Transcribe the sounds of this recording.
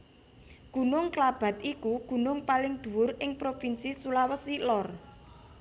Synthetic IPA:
ɡ̥ṳnʊŋklab̥a̤t̪ikuɡ̥ṳnʊŋpalɪŋd̪̥ṳwʊrɪŋpɾofinsisulawəsilɔr

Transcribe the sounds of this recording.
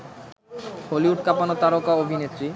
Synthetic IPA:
holiuʈ̚kapanot̪aɾokaobʱinet̪ːɾi

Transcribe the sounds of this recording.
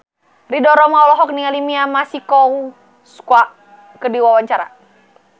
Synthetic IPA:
ridɔɾɔmaɔlɔɦɔk̚niŋalimiamasikɔu | skwa | kədiwawaɲt͡ʃaɾa̰

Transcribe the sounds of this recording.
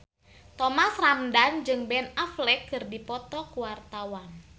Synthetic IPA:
t̪ɔmasramdand͡ʒɨŋbɛnaflɛkːɨrdipɔt̪ɔkuwart̪awan

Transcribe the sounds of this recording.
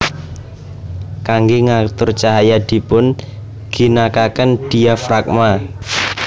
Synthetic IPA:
kaŋɡeŋat̪ʊrt͡ʃaɦajad̪̥i̤pʊn | ɡ̥i̤nakakənd̪̥i̤afɾak̚ma

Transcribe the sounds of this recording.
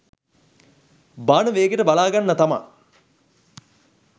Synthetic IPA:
baːnəʋeːɡeʈəbalaːɡanːət̪ama̰

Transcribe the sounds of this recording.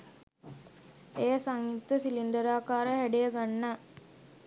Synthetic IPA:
ejəsaŋjut̪ːəsilind̪əɾaːkaːɾəɦæɖejəɡanːa

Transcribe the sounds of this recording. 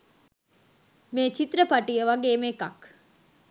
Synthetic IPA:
meːt͡ʃit̪rəpaʈijəʋaɡeːmeka̰k

